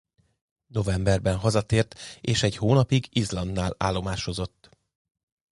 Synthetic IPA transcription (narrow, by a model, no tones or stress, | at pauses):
no̞vɛmbɛrbɛnɦɒzɒt̪eːrt̪eːʃɛɟhoːnɒpiɡizlɒnd̪ːaːla̰ːlːo̞maːʃo̞zo̞t̪ː